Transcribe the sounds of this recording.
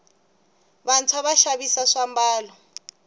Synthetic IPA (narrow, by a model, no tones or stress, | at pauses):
βant͡sʰwaβaʃaβisaʂambaːlɔ